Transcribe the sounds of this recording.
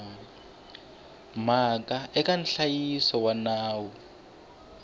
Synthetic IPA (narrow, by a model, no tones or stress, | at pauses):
makaɛkan̩ɬajisɔwanaːwɔ